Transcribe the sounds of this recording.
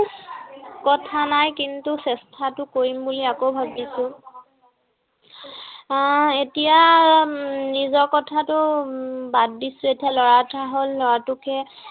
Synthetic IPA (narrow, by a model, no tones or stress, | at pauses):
kɔtʰanajkintusɛstʰatʊkoɹimbuliakobʱab̚disʊ̃ | etija | nizɔɹkɔtʰatʊbad̚disʊ̃etialɔɹataɦolːɔɹatʊkɛ